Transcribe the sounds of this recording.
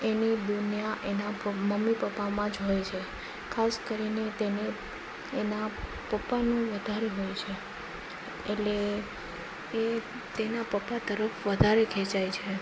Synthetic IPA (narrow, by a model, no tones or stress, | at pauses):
enid̪unjaʔenaməmːipəpːamãd͡ʒɦojt͡ʃʰe | kʰaskəɾinet̪eneː | na | pəpːanũʋəd̪ʱaɾeɦojt͡ʃʰe | eʈle | e | t̪enapəpːat̪əɾəfʋəd̪ʱaɾekʰɛ̃t͡ʃajt͡ʃʰe